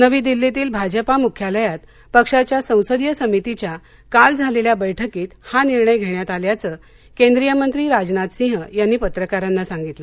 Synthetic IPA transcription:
nəʋiːd̪ilːet̪iːlbʱad͡ʑəpamukʰjaləjat̪ | pəkʂat͡ɕjasə̃w̃səd̪jəsəmit̪it͡ɕja | kald͡zʱaleljabəjʈʰəkiːt̪haniɾɳəjɡʱeɳjat̪aljat͡sə | kẽnd̪ɾijəmənt̪ɾiːɾad͡ʑnat̪sĩɦjanːiːpət̪ɾəkaɾanːasãŋɡit̪lə

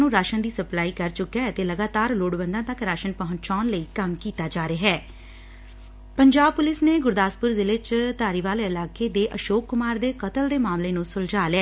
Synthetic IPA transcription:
nũːɾaːʃənd̪iːsəplaːiːkəɾt͡ʃʊkːɛːt̪eːləɡaːt̪aːɾloːɽbə̃nd̪ãːt̪əkɾaːʃənpəɦʊ̃nt͡ʃaːnləiːkəmkiːt̪aːd͡ʒaːɾeːɦɛː | pəɲd͡ʒaːb̚pʊlɪsneːɡʊɾd̪aːspʊɾzɪlet͡ʃt̪aːɾiːʋaːleɪlaːkeːd̪eːʔəʃoːkːʊmaːɾd̪eːkət̪əld̪eːmaːmleːnũːsʊld͡ʒaːlɛː

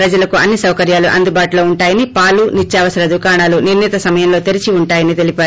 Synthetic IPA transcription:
pɾɐd͡ʒɐlɐkuɐnːisɐwkɐɾjaːluʔɐ̰nd̪ubaːʈulo̞ːuɳʈaːjɐnipaːlunit͡ʃːaːʋɐsɐɾɐd̪ukaːɳaːluniɾnit̪ɐsɐmɐjɐmlo̞ːt̪eɾit͡ʃiuɳʈaːjɐnit̪e̞lipaːɾu

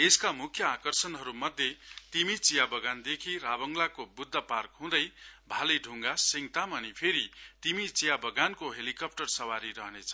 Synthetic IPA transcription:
eskamukʰjʌakʌrsʌnɦʌɾumʌd̪ʱjet̪imit͡sijabʌɡand̪ekʰiɾabʌŋɡlakobud̪ʱːʌparkɦũd̪ʌjbʱaleɖʱuŋɡasiŋt̪amʌnipʰeɾit̪imit͡sijabʌɡankoɦelikʌp̚ʈʌrsʌwaɾiɾʌɦnet͡sʰʌ̥

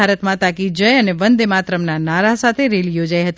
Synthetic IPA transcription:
aɾət̪mãt̪ãkid͡ʒəjəneʋənd̪emat̪ɾəmnanaɾasat̪ʰeɾeljod͡ʒajɦət̪i

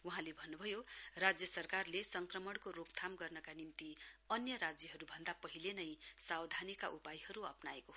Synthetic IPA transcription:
wuɦãlebʱʌnːubʱʌjorad͡zjʌsʌrkarlesʌŋkrʌmʌɽ̃koɾop̚t̪ʰamɡʌrnʌkanimt̪iʌnjʌɾad͡zjʌɦʌɾubʱʌnd̪apʌɦilenʌjsawd̪ʱanika̰ʔupajɦʌɾuʌ̰pnaeko

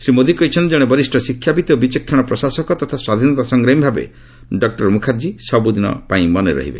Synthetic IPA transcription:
simod̪ʱikɔjt͡ʃʰɔnt̪id͡ʒeɽ̃ebɔɾisʈʰɔsikʰːjapit̪iobit͡ʃɔkʰːjaɽ̃ɔpɾɔsasɔkɔt̪ɔt̪ʰaswad̪ʱinɔt̪asɔŋɡɾeimbʱabḛ | ɖɔk̚ʈɔɾmukʰaɾd͡ʒisɔbud̪inɔ̰paĩmɔneɾɔ̰ɦḭbḛ

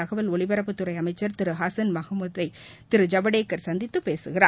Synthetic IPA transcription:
ɐɣɐʋɐlɔɭɪʋɐɾɐpːɯt̪ːʊɾɐɪɐmɐɪt͡ʃːɐɾt̪ɪɾɯɦaːsɐnmɐɣɐmɐðɐɪ | t̪ɪɾɯd͡ʒɐbɐɽeːkːɐɾsɐnd̪ɪt̪ːɯpeːsɯɣɪra̰ː

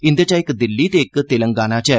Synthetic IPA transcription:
ɪnd̪ɐt͡ʃaːjkːɨd̪ilːiːt̪eːkːɨt̪ɪlɐŋɡaːnaːt͡ʃɛ

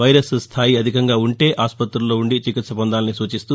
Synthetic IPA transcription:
ʋɐjɾɐsst̪ʰaːjiɐd̪ʱikɐŋɡaːuɳʈe̞ːʔaːspɐt̪ɾulːoːuɳɖit͡ʃikit̪sɐpɐnd̪aːlɐnisuːt͡ʃist̪u

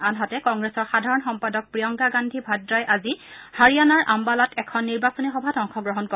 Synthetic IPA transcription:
anɦatɛkɔŋɡɹesɔɹxadʱaɹɔnxɔmpadɔk̚pɹijɔŋɡaɡandʱibʱɔdɹajʔazihaɹijanaɹʔambalatʰɛkʰɔnːiɹbasɔnixɔbʱatɔŋxʰɔɡɹɔɦɔnkɔ

